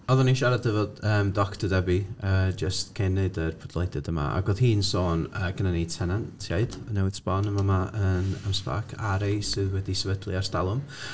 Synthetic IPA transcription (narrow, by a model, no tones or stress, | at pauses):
ɔðɔninʃaɾadðəvoːd̥əːmdɔktədɛbiəːd͡ʒəstkʰenːeɨdərpʰɔd̥lˠejdɛdəma̰a̰ɡoːðɦiːnsoːnəːɡ̥ənane̥tʰɛnantʰaɨd̥nɛwɪ̥sbɔnəmamaʔənamspa̰ːkʰaɾejsɨðwɛdisəvədlˠḭarstalˠʊm